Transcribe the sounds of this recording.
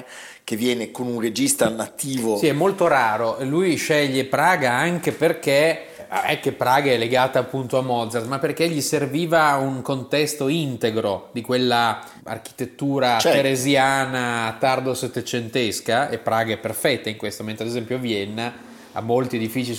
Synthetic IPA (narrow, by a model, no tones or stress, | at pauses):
kevjɛːnekonunred͡ʒist̪anat̪ːiːvosiɛmːolt̪oɾaːɾoʔelujʃɛʎːepɾaːɡaaŋk̟eperke | ɛkːepːɾaːɡaɛleɡaːt̪aːpːunt̪oamɔd̪zard̪mapːerkeʎːiserviːvauŋkont̪ɛst̪oint̪eɡɾod̪ikwelːa | a̰rk̟i̥t̪et̪ːuːɾapeɾezjaːnat̪ard̪oset̪ːet͡ʃent̪eskaepːɾaːɡaɛpːerfɛt̪ːaiŋkwest̪oment̪ɾad̪ezɛmpjoavjɛnːa | a̰mːolt̪ied̪ifiːt͡ʃi